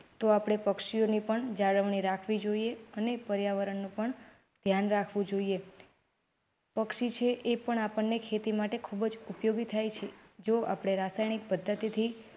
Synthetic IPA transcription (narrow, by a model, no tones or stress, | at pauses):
t̪oapɽ̃epəkʃionipəɳd͡ʒaɽəʋɳiɾakʰʋid͡ʒoieənepəɾjaʋəɾəɳnũpəɳ | d̪ʱjanɾakʰʋũd͡ʒoie | pəkʃit͡ʃʰeʔepəɳapəɳːekʰet̪imaʈekʰubd͡ʒupjoɡit̪ʰajt͡ʃʰed͡ʒoʔa̰pɽ̃eɾasajnik̚pəd̪ʱːət̪it̪ʰi